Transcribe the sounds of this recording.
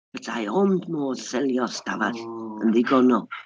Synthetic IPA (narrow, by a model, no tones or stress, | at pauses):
bətʰa̰jhɔmdmoːðsɛlˠjɔstavaɬə̰ndɪɡɔnɔ